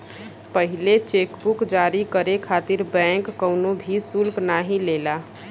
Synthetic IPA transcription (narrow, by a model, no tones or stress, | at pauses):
pəɦɪlet͡ʃeːkbukd͡ʒaːɾikəɾekʰaːt̪ɪɾbɛ̃ːŋkːəʊnõbʱisʊlknaːɦĩleːla